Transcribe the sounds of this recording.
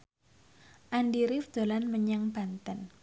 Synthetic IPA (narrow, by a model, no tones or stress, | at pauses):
ʔandiɾɪfd̪̥o̤lanməɲaŋb̥a̤nt̪ən